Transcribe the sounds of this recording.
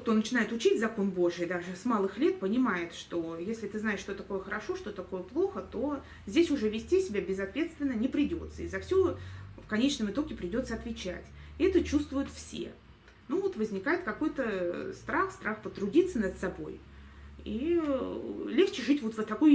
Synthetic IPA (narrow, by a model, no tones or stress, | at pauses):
kt̪o̞nət͡ɕɪnajɪt̪ʊt͡ɕidʲzɐko̞nbo̞ʐɨjd̪aʐɨsmalˠɨxlʲe̞t̪̚pənʲɪmajɪt̪ʂt̪o̞jesʲlʲɪt̪ɨznaɪʂːt̪o̞t̪ɐko̞jəxəɾɐʂo̞ʂt̪o̞ɐko̞jəplˠo̞xət̪o̞ | zʲdʲesʲʊʐɛvʲɪsʲtʲisʲɪbʲabʲɪzɐt̪vʲe̞t̪st̪vʲɪnːənʲɪpɾʲɪdʲo̞̰t̪səizɐfsʲofkɐnʲet͡ɕnəmɨt̪o̞ɡʲɪpɾʲɪdʲo̞t̪səɐt̪vʲɪt͡ɕæ̰tʲɛt̪ət͡ɕust̪vʊjʊt̪fsʲḛ | nuvo̞t̪vəzʲnʲɪkajɪt̪̚kɐko̞jt̪əst̪ɾaxst̪ɾaxpət̪ɾʊdʲit̪sːənəd̪sɐbo̞̰j | i | lʲext͡ɕɪʐɨtʲvo̞t̪vət̪ːɐkoj